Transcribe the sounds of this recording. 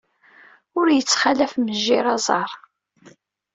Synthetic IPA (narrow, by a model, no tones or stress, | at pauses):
ʊɾjət͡sːχalæfməʒːiɾɑzˤɑɾˤ